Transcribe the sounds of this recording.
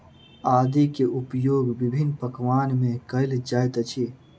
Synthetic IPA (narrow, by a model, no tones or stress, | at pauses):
ad̪ikeʔupjoɡbibʱinːpəkʋanmekəɪld͡ʒajt̪t͡ʃʰi